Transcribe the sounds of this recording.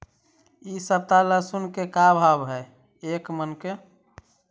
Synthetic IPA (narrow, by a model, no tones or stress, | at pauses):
isəb̚t̪aləsunkekabʱabɦɛj | ekmənke